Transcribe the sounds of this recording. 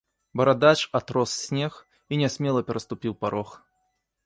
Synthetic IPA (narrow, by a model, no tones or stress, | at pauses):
bɐɾad̪at͡ʂat̪ɾɔsːʲnʲɛx | inʲɛsʲmʲɛlˠɐpʲɛɾɐst̪ʊpʲiwpaɾɔx